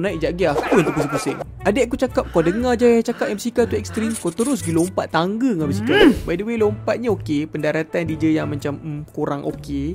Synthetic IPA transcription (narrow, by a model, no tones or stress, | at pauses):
nãjʔ̚d͡ʒaʔɡiakuint̪upus̬ĩpusɪ̰ŋ | ʔadəakut͡ʃakap̚kadəŋad͡ʒajat͡ʃakap̚abəsikat̪uɛkst̪ɾimkot̪əɾʊs̬ɡilompat̪ːaŋɡəŋabəs̬ikabajdəwelompat̪̚ɲãokepəndaɾat̪andid͡ʒəjaŋmãt͡ʃam̩kuɾaŋʔo̰ke